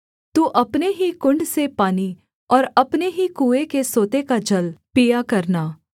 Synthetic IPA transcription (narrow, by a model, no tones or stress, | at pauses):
t̪uːʔɐpneɦikʊ̃ɳɖsepaːni | ɔːɾɐpneɦikuːekesoːt̪ekad͡ʒɐlpijakɐɾnaː